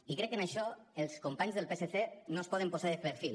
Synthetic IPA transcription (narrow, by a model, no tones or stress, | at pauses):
ikɾɛkːənəʃɔəlˠskumpaɲzðəlˠpeseθenospɔðəmpozaðəpəɾfil